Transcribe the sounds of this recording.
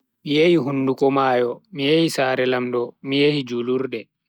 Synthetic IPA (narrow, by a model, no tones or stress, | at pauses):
mijehiɦunːdukɔmaːjɔmijehisaːɾɛlamdɔmijehid͡ʒuluɾɗɛ